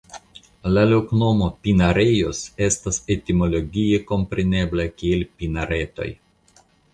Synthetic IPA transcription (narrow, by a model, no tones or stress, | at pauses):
lalokno̞mopinaɾejose̞stasetimo̞lo̞ɡʲieko̞mpɾe̞ne̞blakielʲpinaɾe̞t̪o̞̰j